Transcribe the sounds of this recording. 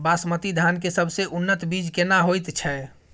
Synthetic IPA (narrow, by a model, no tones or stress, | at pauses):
basmət̪id̪ʱankesəbʱseʔunːət̪bid͡ʒkenaɦojt̪t͡ʃʰɛ